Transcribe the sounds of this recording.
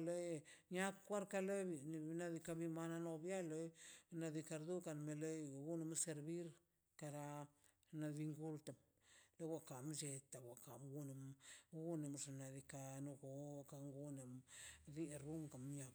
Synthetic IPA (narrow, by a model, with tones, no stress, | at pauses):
lo˦jɲa˦kːwa˦ɾka˧le˦bi˨ni˧na˦d̪i˧ka˧bi˦ma˦na˧no˧bja˦lo˦jna˧d̪i˧ka˧ɾd̪u˦ka˨nme˧le˦jɡu˦ne˧mse˧ɾbi˦ɾ | ka˧ɾa˧ | na˧bi˧ŋɡu˦lt̪a˨m | le˦wa˧ka˨md͡ʒe˧t̪a˨wa˨ka˨mɡu˦ne˨mɡu˦ne˨mʐa˨na˨d̪i˧ka˧nu˧ɡo˨ka˧ŋɡu˦ne˨md̪i˦˨ɾu˦ŋka˨mɲa˧